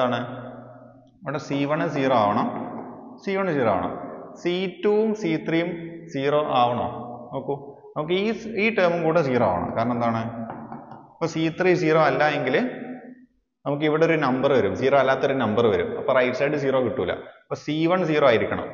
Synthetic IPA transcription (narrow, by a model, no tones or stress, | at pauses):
aːɳɨ | iʋiɽesiːʋɐɳɨs̬iːroaːʋɐɳɐmsiːʋɐɳɨsiːroa̰ːʋɐɳɐ̰msiːtːuumsiːt̪rijumsiːroːʔaːʋɐɳo̰ːnɐmkːu | nɐmuk̬ːɨiːiːʈɐːmumkuːɽɨs̬iːroaːʋɐɳɐ̰mkaːɾɐɳɐmend̪aːɳɨ | ɐpːoːsiːt̪risiːroːɐlːajeŋɡil | nɐmuk̬ːɨiʋiɽeoɾunɐmbɐrɨʋɐɾumsiːroːɐlːaːt̪ːoɾunɐmbɐrʋɐɾṵmɐ̰pːoːrɐjʈsɐjɖɨs̬iːroːkiʈːuʋilːɐ̰pːoːsiːʋɐɳs̬iːroːaːjiɾikʲːɐɳɐ̰m